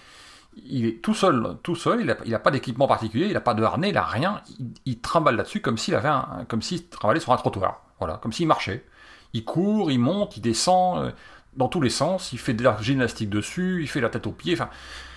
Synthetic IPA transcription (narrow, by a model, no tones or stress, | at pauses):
ilɛt̪usœlt̪usœlilailapad̪ekʲipmɑ̃paʁt̪ikʲyljeilapad̪əa̰ʁneila̰ʁjɛ̃iilt̪χɑ̃balːad̪əsykɔmsiːla̰vɛɛ̰̃kɔmsit̪χɑ̃balɛsyʁɛ̃t̪χɔt̪wa̰ːʁ | vwala̰kɔmsiːmaʁʃɛ | ilkʰuːʁilmɔ̃t̪ild̪esɑ̃ø̰d̪ɑ̃t̪ulesɑ̃silfɛd̪elaʒinast̪ik̚d̪əsyilfɛd̪lat̪ɛt̪opjẽfɛ̃